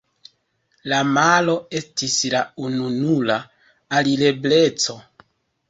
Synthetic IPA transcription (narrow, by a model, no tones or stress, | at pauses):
lamalo̞e̞stislaununula | alile̞ble̞t͡so̞